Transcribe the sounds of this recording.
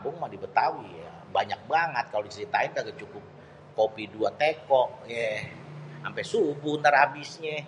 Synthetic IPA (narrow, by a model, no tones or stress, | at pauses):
bʊŋmadibət̪awija̰ | baɲak̚baŋət̪̚kalodisiit̪aint̪aɡat͡ʃukʊp̚ | kopiduat̪ekɔk̚jɛ | ampɛsubʊhnt̪aɾabisɲɛ